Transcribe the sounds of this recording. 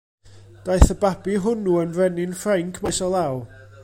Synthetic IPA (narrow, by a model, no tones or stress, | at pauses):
d̥ajθəbabiɦʊnuənvrɛnɪnfraŋkʰmasɔlˠaw